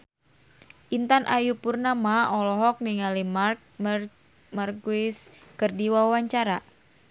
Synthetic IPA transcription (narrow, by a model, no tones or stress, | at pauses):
ʔint̪anʔajupurnamaɔlɔɦɔk̚niŋalimark̚ | markuiskɨrdiwawaɲt͡ʃaɾa